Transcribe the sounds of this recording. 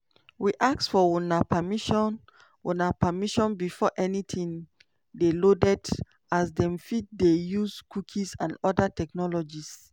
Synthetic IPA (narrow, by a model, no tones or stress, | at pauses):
wiʔak̚sfɔwunapʰamiʃɔn | wunapamiʃɔ̃nbifɔʔɛnitʰĩŋ | delodɛd | as̬dɛ̃mfid̚dejuskukʰisãnɔdatɛk̚nɔlɔd͡ʒis